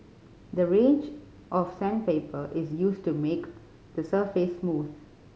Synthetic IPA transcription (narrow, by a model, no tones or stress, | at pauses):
d̪əɹẽːnd͡ʒ | ʔɔfsæ̃npeːpəʔɪzjuːsʈumeːk | d̪̥əsəːfesmuːd̪